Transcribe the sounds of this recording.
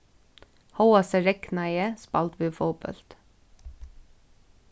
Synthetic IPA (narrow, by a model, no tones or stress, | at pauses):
hɔʊɑsəɾɛknɑɪəspɑlt̪ʋʉːfɔːbœ̰lt̪